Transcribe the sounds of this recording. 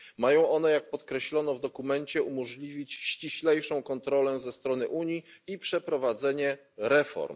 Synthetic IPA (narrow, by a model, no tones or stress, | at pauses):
majɔ̃w̃ʔɔn̪ɛjak̚pɔt̪kɾɛɕlɔnɔvd̪ɔkumɛɲt͡ɕɛumɔʐlʲivʲit͡ɕɕt͡ɕiɕlɛjʂɔ̃w̃kɔnt̪ɾɔlɛzɛst̪ɾɔn̪ɘʔuɲiipʂɛpɾɔvad̪zɛɲɛ | ɾɛfɔ̰ɾm